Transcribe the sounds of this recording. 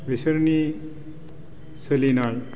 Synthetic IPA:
ʋesəɾni | səlinaɭ

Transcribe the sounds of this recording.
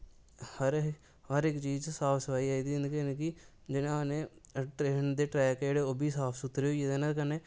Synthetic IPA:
həɾ | ɦəɾɪkt͡ʃiːd͡ʒt͡ʃsaːpʰsəʋaːiaːid̪iɪnkinki | d͡ʒɪnãnẽʈɾeːnd̪eːʈɾaːjkeːɽeoːbʱiːsaːpʰsʊt̪ɾeoːjed̪enakɐne

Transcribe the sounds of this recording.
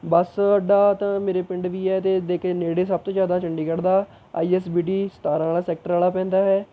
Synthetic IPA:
bəsɖaːt̪ãːmeːɾeːpɪɳɖʋiːɛːt̪eːd̪eːkʰeːneːɽeːsəb̚t̪õːd͡ʒjaːd̪ãːt͡ʃəɳɖiːkəɽd̪aː | aːiːɛːsbiːʈiːst̪aːɾãːlaːsɛːk̚ʈəɾaːlaːpɛ̃ːnd̪aːɦɛː

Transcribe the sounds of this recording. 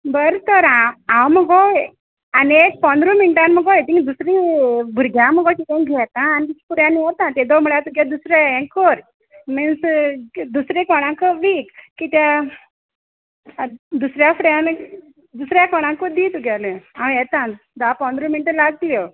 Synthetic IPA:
bəɾt̪əɾããwməɡɔ | aniek̚pɔ̃nd̪ɾɔ̃miniʈãnməɡɔjet̪ĩŋd̪usɾĩbʱuɾɡʱjãməɡɔkikãɡʱɛt̪ãːnit̪iki̥fuɾjãnːiɦot̪ãt̪ed̪ɔmuɭjat̪uɡad̪usɾeɛ̃kɔɾ | minsd̪usɾẽkɔɽ̃ãkɔʋikkit̪a | d̪usɾjafɾjan | d̪usɾjakɔɽ̃ãŋkɔd̪it̪uɡaleãwjɛt̪ãn | d̪apɔ̃nd̪ɾɔ̃miniʈəlaɡ̚t̪ljɔ

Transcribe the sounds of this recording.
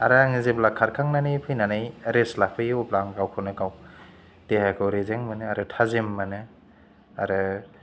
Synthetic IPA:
aɾaaŋizeblakʰːaɾkʰaŋnanɯjpʰɯjnanajɾeslapʰɯjuplaŋɡawkʰɯnɯkaw | d̥ehakʰɯwɾezeŋmanɯaɾɯtʰazemːanɯ | aɾɯ

